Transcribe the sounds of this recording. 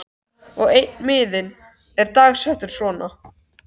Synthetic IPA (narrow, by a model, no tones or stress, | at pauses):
ɔɣejt̪nmɪːðɪn | ɛɾt̪aːɣsɛht̪ʏɾ̥svɔːna